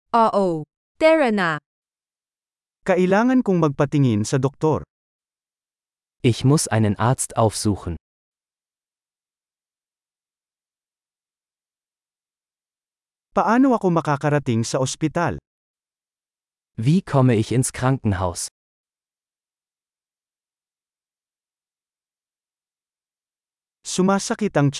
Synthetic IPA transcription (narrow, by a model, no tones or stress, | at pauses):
ʔoʔo | t̪ɛɹɐna | kɐʔɪlaːŋɐnkʊŋmɐɡ̚pɐt̪ɪŋɪnsɐd̪ɔk̚t̪oɾ | ʔɪçmʊsʔaɪnənʔaɐstʔaʊfz̥uːxn̩ | pɐʔaːnoɐkomɐkaːkɐɾɐt̪ɪŋsɐʔɔspɪt̪al | viːkʰɔməɪçɪnskʁ̥aŋkŋ̩ɦaʊs | sʊmaːsɐkɪt̪ɐŋt͡ʃ